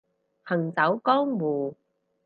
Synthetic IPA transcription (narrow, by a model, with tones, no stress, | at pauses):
hɐ˨˩ŋt͡sɐ˨˥wkɔː˥ŋmuː˨˩